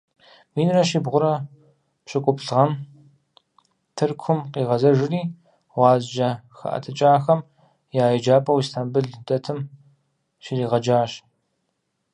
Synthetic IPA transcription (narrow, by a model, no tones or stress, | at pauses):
wiːnrɐʃibʁʷʊɾɐ | pɕʼɨkʷʼʊpɬʁɐm | tʰɨrkʷʰʊmqiːʁɐzɐʒɪriː | wɑːzd͡ʒɐxɐ̰ʔɐ̰tʰɨt͡ʃʼaːxɐm | jaːjɐd͡ʒaːpʼɐwistʰaːmbɨɮdɐtʰɨm | ʃiriːʁɐd͡ʒaːɕ